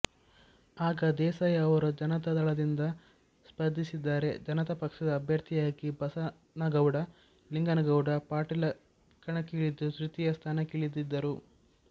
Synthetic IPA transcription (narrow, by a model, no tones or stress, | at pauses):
aːɡɐd̪ɛːsɐjɐːʋɐɾud͡ʒɐnɐt̪ɐd̪ɐɭɐd̪ind̪ɐ | spɐd̪ʱːisid̪ːaːɾe̞d͡ʒɐnɐt̪ɐpɐkʂɐd̪ɐːbʱjɐɾt̪ʰijaːɡibɐsɐ | nɐɡɐwɽɐ | liŋɡɐnɐɡɐwɽɐpaːʈilɐ | kːɐɳɐkiɭid̪utɾit̪ijɐst̪ʰaːnɐkiɭid̪id̪ːɐɾu